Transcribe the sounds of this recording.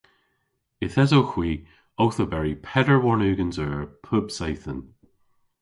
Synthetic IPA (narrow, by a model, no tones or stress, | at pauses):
ɪθɛzoxw̥iː | ɔwθəbɛɹipʰɛdəɹwɔɹnʉːɡənzəːpʰʊbsajθən